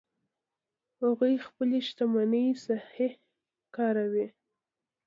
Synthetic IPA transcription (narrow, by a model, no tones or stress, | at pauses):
haɣujxpəleʃt̪amanəjsahe | kɑɾawi